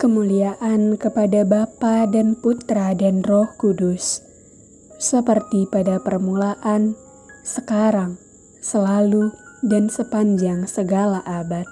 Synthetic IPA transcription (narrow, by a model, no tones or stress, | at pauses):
kəmuliaʔankəpadabapadanput̪ɾadanrɔhkudʊs | səpərt̪ipadapərmulaʔan | səkaɾaŋ | səlaludansəpaɲd͡ʒaŋsəɡalaʔabat̪̚